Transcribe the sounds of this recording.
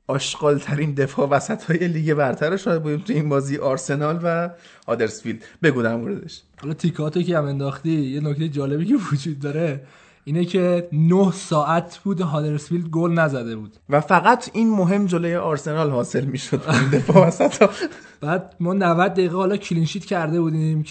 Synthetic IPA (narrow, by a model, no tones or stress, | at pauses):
ʔɒːʃɡ̥ɒːlt̪ʰæɾind̪e̞fɒːvæsæt̪ʰɒːje̞liːɡebæɾt̪ʰæɾeʃɔːjæd̪̚buːd̪imt̪ʰujeiːnbɒːziːjeʔɒɾse̞nɒːlvæ | hɒːd̪eɾsfild̪be̞ɡuːd̪æmoɾed̪eʃ | hɒlɒːt̪ʰikʰɒt̪ʰokʰeæme̞nd̪ɒːxt̪ijenoct̪ʰe̞jed͡ʒɒːle̞biːcʰe̞vod͡ʒuːd̪̚ːɒɾe̞ | iːnecʰe̞nohsɒːʔæt̪ʰbuːd̪ɦɒːd̪e̞ɾsfild̪̚ɡolnæzæd̪e̞buːd̪̥væfæɣæt̪ʰinmoɦe̞md͡ʒolojeʔɒɾse̞nɒːlhɒːse̞lmiːʃod̪ind̪e̞fɒːvæsæt̪ɒ | b̥æːd̪̚mɒːnævæd̪̚ːæjiːɣehɒːlɒcʰilinʃiːt̪cʰæɾd̪e̞buːd̪im